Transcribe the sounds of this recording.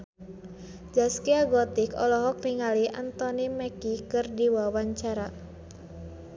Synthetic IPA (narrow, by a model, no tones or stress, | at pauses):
d͡ʒaskiaɡɔt̪ɪkɔ̰lɔɦɔk̚niŋaliʔant̪ɔnimɛkikɨrdiwawaɲt͡ʃaɾa